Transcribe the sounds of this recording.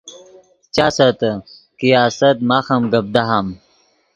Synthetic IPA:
t͡ɕaːsɐt̪ɐ | kijaːsɐt̪maːxɐmɡɐb̚d̪aɦam

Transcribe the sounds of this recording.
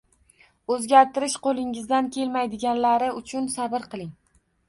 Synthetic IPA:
ɵzɡʲaɾt̪ɪɾɪʃqolˠɪŋɪzd̪ankʲʰe̞lmajd̪ɪɡʲanlaɾɪʊt͡ʃʰʊnsabɪɾqɨlˠɪŋ

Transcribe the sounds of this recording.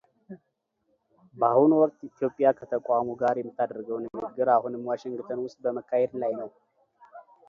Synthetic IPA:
bəahunwɔkʼt̪it̪jo̞pʼːɪjakʰət̪ʰəkʷʼamuɡaɾjɛmːɨt̪ʰːad̪əɾɡəwnmɨɡːɨɾahunɨmwaʃɪŋɡɨt̪ʰənwʊst̪ʼbəməkʰːahed̪lajnəw

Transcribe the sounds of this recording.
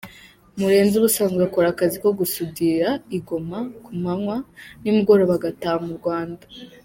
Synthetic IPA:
muɾe̞ːnzuβusaːŋɡuako̞ɾakaziko̞ɡusudiɾaiɡo̞makumhaŋwanimuɡo̞ɾo̞βaɡataːmuɾɡwaːnda

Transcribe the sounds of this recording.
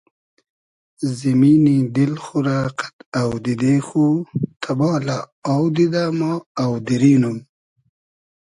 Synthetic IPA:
zimiːnid̪ilxuɾaːqḁt̪awd̪id̪exut̪ʰabɑːla | awd̪id̪amaawd̪iɾiːnum

